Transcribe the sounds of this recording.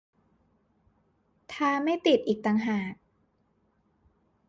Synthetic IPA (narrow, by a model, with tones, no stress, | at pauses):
t̪ʰaː˧ma˥˩jt̪i˨˩t̪̚ʔiː˨˩k̚t̪a˧ŋɦaː˨˩k̚